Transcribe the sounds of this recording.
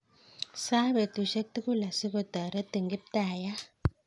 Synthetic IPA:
sa˦βe˨tu˨ʃe˦k̚t̪i˦ku˦la˨si˦kɔ˨t̪a˨ɾe˦t̪i˨ŋɡi˦p̚taː˨ja˦

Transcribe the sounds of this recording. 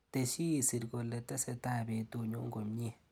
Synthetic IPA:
te˨ʃi˦˨si˨ɾɡo˨lːe˨ta˦se˨ta˦˨be˨tu˦˨ɲo˦ŋɡo˨mɲ˦e˦˨

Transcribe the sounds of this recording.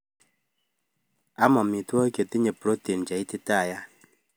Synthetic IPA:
a˦mɔ˨mi˨tɔ˦kje˨ti˦ɲe˨pɾo˦te˨n˨d͡ʒa˨i˦ti˦ta˦˨ja˦

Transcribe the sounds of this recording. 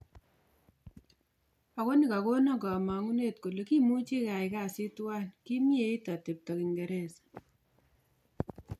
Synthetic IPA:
a˨ko˦ni˨ka˨ko˦na˦ɡa˨ma˨ŋu˦ne˦tku˨le˨ki˦mu˦t͡ʃe˦ka˨jka˦si˦twa˦nki˦mje˦i˦ta˨te˨p̚ta˨ki˨ŋɡe˨ɾe˦˨s

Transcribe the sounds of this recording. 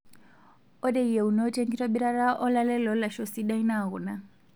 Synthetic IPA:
ɔ˦dɛ˦ije˨u˨nɔte˦ŋɡitʰɔbi˦ɾa˦ɾa˦ʔɔ˦lalɛ˦lɔ˦la˨ʃɔ˨siɗaina˦˨ɣu˨na˦

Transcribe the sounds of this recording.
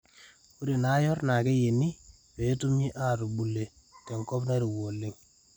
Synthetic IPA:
ku˦ɾi˨na˨˦jɔ˦rna˨ke˦je˨ni˦ | pe˨˦tu˦mi˦ʔa˦˨ɾu˨ɓu˨le˨ | tɛ˨ŋkɔ˦pna˦ɾi˨wo˨lːɪ˦ŋ

